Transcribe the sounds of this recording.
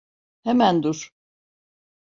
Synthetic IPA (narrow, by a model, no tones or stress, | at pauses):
hɛmænd̪uɾ̥